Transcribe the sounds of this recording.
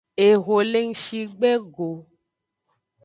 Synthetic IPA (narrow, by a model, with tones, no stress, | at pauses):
e˨ɣo˨le˦ŋ̩˦ʃi˦ɡ͡be˦ɡo˨